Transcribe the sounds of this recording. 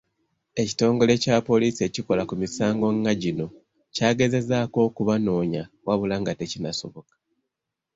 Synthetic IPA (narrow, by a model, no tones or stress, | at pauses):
e̞ci̥to̞ːŋɡo̞le̞capo̞liːsie̞ciko̞lakumisaːŋɡo̞ŋːaɟino̞ | caːɡe̞ze̞zaːko̞ːkuβano̞ːɲa | waβulaŋɡate̞cinaso̞βo̞kḁ